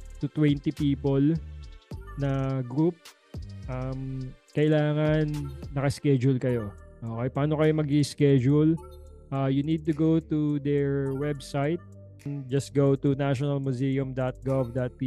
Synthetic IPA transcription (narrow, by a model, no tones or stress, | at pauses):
t̪ut̪wɛnt̪ipiːpol | nɐɡɾup̚ | ʔɐmkɐʔɪlaːŋɐnːɐkɐskɛd͡ʒʊlkɐjo̞ʔoːkɛjpɐaːno̞kɐjo̞mɐɡiskɛd͡ʒul | ʔajunid̪̚t̪uɡowt̪ud̪ɛɹwɛbsajt̪̚ | nd͡ʒɐst̪̚ɡowt̪unaʃɔnɐlmuzijʊmd̪at̪̚ɡovd̪ɐt̪̚pi